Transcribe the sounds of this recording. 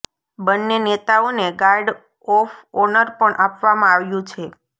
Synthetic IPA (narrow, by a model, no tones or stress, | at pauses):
bənːenet̪aoneɡaɾɖ | ɔfɔnəɾpəɳʔapʋamãaʋjũt͡ʃʰe